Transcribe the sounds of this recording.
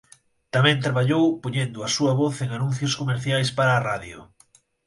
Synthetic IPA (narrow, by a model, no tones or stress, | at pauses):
t̪amɛ̃nt̪ɾaβaʎowpoɲend̪ʊɐsuɐβoθeŋanũn̟θjʊskomeɾθjajspaɾaːraðjʊ̰